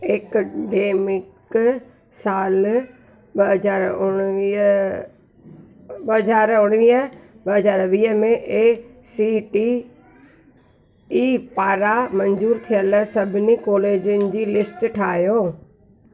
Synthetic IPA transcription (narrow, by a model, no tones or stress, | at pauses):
ekɖeːmɪk | saːl | ɓɐɦɐzaːɾʊɽ̃i | ɓɐɦɐzaːɾʊɽ̃ʋiːɦə | bɐɦɐzaːɾʋiːɦəmẽʔesiːʈi | iːpaːɾamɐ̃ɲzuːɾt̪ʰijəlsɐbʱɪnikɔːleːd͡ʑʊnɪ̆d͡ʑiːlɪsʈʈʰaːɦijoː